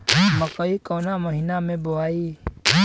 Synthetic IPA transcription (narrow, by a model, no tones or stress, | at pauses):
məkəikoːnaməɦinamẽboaːiː